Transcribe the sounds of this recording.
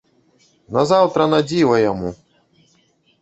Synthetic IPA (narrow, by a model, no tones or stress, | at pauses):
nɐzawt̪ɾɐnad͡zʲivɐjamu